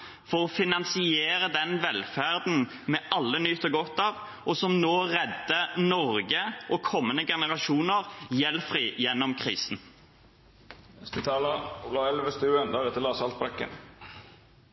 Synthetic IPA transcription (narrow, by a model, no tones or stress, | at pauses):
fɔʁɔfɪnɑnsɪeːɾəd̪ɛnʋɛlfæʁd̪n̩ | mɛʔɑlːənʏt̪ʰːɔɡɔt̪ːɑːʋ | ɔsɔmnoːʁɛd̪ːənɔɾɡəʔɔkʰɔmːənəɡɛnəʁɑʃuːnəʁjɛlfʁiːjɛnːɔmkʰʁiːsn | ɛst̪ɪt̪ʰɑːləulɑɛlʋəst̪ʉːənd̪ɑɾɛt̪əlɑːsɑlt̪̚bɾɛkːə̰n